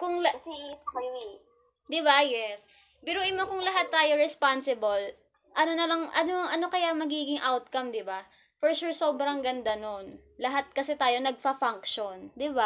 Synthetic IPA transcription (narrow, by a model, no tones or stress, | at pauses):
kʊŋlɐ | d̪ɪbajɛs | pɛːɾoʔɪmokʊŋlɐɦat̪ːaːjo̞ɾɛspansɪbol | ʔɐnonɐlɐŋʔɐnoʔɐno̞kɐjamɐɡiːɡɪŋʔawt̪̚kɐmd̪ɪba | foɹʃuɹso̞ːbɾɐŋɡɐnd̪anon | lɐɦat̪̚kɐsɛt̪aːjo̞nɐɡ̚fɐfaŋkʃond̪ɪba